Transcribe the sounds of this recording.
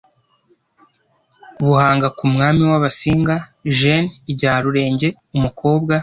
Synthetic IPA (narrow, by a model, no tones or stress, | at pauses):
βuhaːŋɡakumŋaːmiwaβasiːŋɡaʒeniɟaːɾuɾe̞ːɲɟe̞ | umukʰo̞ːbɡa